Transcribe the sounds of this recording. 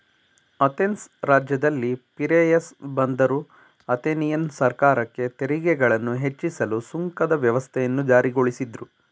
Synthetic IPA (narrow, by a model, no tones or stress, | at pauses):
ɐt̪ensɾaːd͡ʒjɐd̪ɐlːipiɾejɐsbɐnd̪ɐɾu | ɐt̪enijɐnsɐɾkaːɾɐkːe̞t̪e̞ɾiɡɛɡɐɭɐnːuɦe̞t͡ʃːisɐlusuŋkɐd̪ɐʋjɐʋɐst̪ʰɛjɐnːud͡ʒaːɾiɡo̞ɭisid̪ɾu